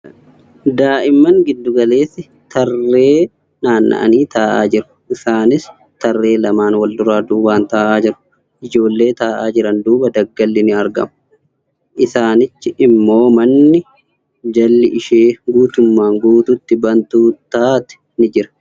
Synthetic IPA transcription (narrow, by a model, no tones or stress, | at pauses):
d̪aːʔɪmːɐŋɡɪd̪ːʊɡɐle̞ːsɪ | t̪ɐrːe̞ː | naːnːɐ̰ʔɐ̰niːt̪ʰaːʔaːd͡ʒɪɾʊ̥ʔɪsaːnɪs | t̪ɐrːe̞ːlɐmaːnwɐld̪ʊɾaːd̪uːwaːnt̪aːʔaːd͡ʒɪɾʊ̥ | ʔɪd͡ʒo̞ːlːe̞ːt̪aːʔaːd͡ʒɪɾɐnd̪uːbɐd̪ɐɡːɐlːɪnɪɐɾɡɐ̰mʊ | ʔɪsaːnɪt͡ʃːɪʔɪmːo̞ːmɐnːɪ | d͡ʒɐlːɪʔɪʃeːɡuːt̪ʊmːaːŋɡuːt̪ʊt̪ːɪbɐnt̪uːt̪ːaːt̪ɛ̥ | nɪd͡ʒɪɾɐ̥